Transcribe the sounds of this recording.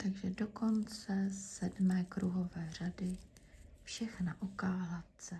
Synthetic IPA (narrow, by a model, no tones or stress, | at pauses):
t̪aɡʒɛdo̞ko̞nt͡sɛsɛdmɛːkɾuɦo̞vɛːr̝adɪ | fʃɛxnaʔokaːlat̪t͡sɛ